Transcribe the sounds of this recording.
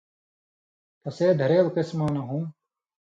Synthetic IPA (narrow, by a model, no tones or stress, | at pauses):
p̪ɐseːd̪ʱɐɾeːlkɪsmaːnɐɦũː